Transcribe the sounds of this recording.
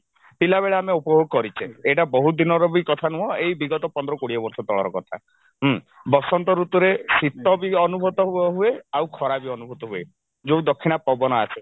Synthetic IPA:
pilaβeɭeameupɔɦoɡ̚kɔɾit͡ʃʰeeʈabɔɦud̪inɔɾɔbikɔt̪ʰanuɦɔejbiɡɔt̪ɔpɔnd̪ɾɔkoɽiɔbɔɾsɔt̪ɔɭɔɾɔkɔt̪ʰa | ɦ | bɔsɔnt̪ɔɾut̪uɾesit̪ːɔbiɔnubʱɔt̪ɔɦuɔɦueawkʰɔɾabiɔnubʱut̪ɔɦue | d͡ʒoud̪ɔkʰːinapɔbɔnɔasʰe

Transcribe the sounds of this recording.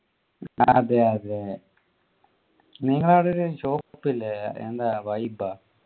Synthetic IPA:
ɐ̰ðeɐðe | niːŋːɐɭaːɽeoɾuɕoːkpːilːeḛnd̪aːʋɐjba

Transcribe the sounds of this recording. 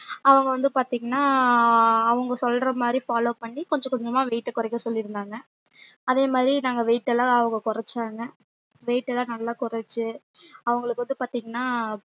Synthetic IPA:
ɐʋɐŋɡɐʋɐnd̪ɯpaːɾt̪iːŋɡɐnːaː | ɐʋɐŋɡɐsɔlɾɐmaːd̪ɾifaːloːpɐɳːikɔɲd͡ʒɐ̃kɔɲd͡ʒɔmaːʋɛɪʈːɐkʊɾɐkːɐsɔlːɪɾɯnd̪aːŋɡɐ | ɐðeːmaːd̪ɾinaːŋɡɐʋɛɪʈːɛlːãːɐʋɐŋɡɐkʊɾɐt͡ʃːaːŋɡɐ | ʋɛɪʈːɛlãːnɐlːaːkʊɾɐt͡ʃːɯ | ɐʋɐŋɡɐɭɯkːʋɐnd̪ɯpaːɾt̪iːŋɡɐnːaː

